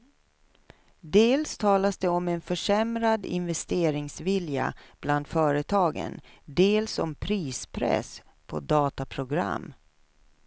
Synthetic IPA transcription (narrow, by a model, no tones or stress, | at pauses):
d̪eːlst̪ʰɑːlasd̪ɛɔmɛnfœʂɛmɾad̪ɪ̰nvɛst̪eːɾɪŋsvɪlja̰b̥land̪fœːɾət̪ʰɑːɡə̰nd̪eːlsɔmpʰɾiːspʰɾɛ̰s | pʰɔ̰d̪ɑːt̪apʰɾʊɡɾa̰mː